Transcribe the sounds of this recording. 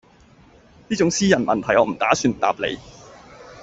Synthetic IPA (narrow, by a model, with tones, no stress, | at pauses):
niː˥t͡ʃʊ˨˥ŋsiː˥jɐ˨˩nmɐ˨nt̪ʰɐ˨˩jɔː˨˧m̩˨˩t̪aː˨˥syː˧nt̪a̰ː˧˨p̚lḛ˨˧j